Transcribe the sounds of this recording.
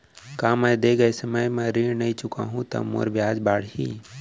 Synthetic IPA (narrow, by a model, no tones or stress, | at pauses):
kaːməjd̪eːɡəjsəməjmẽɾiːnɐĩt͡ʃʊka̰ːɦũt̪ɐ̰mo̰ɾbʱjaːd͡ʒbaːɽ̤ɦiː